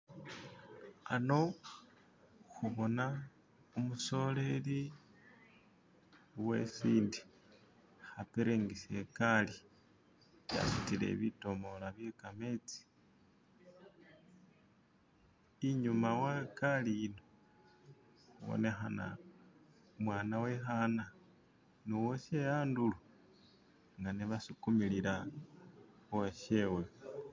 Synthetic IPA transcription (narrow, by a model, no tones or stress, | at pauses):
ano̞ | xuβo̞na | omuso̞le̞li | we̞̰siːndi̥ | xapeɾeŋɡise̞kali | βja̰sitile̞̰βito̞mo̞laβje̞kame̞t͡si̥ | iɲumawakalijino | uwo̰ne̞xana̰ | mwaːnawexana | nuwoʃejaːndulu | ŋɡaneβasukumilila | oweʃewe